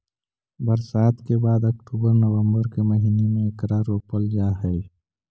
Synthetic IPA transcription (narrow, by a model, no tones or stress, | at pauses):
bəɾsaːt̪ʰkebaːd̪ɐkʈuːbəɾnəʋə̃mbəɾkeməɦiːnemẽɪkɾaːɾoːpəld͡ʒaːɦɛi